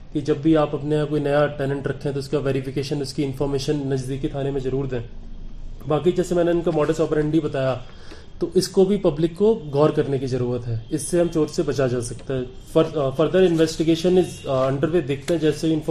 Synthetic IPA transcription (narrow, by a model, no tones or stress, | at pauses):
kid͡ʒɐbːiaːpɐpneakoːinɐjaʈɛːnɛ̃ɳʈɾɐkʰːẽɦɛt̪oɪskaʋeːɾɪfɪkeːʃənʊskiɪ̃nfɔːɾmeːʃənːɐd͡ʒd̪iːkit̪ʰaːnemẽzɐɾuːɾt̪ɦɛ̃ː | baːk̬id͡ʒɛːsemɛ̃ːneʊnkamɔːɖəsʈɔːpəɾɛ̃ɳɖibɐt̪aːja | t̪oʔɪskobʱipɐblɪkːoɡɔːɾkɐɾnekizɐɾuːɾət̪ɦɛːɪsːeɦɐmt͡ʃoːɾsebɐt͡ʃad͡ʒaːsɐk̚t̪eɦɛ̃ | fɐɾfɐɾd̪əɾɪ̃nʋɛːsʈɪɡeːʃənɪzɐ̃ɳɖəɾʋed̪eːkʰt̪eɦɛ̃d͡ʒɛːseɪ̃nf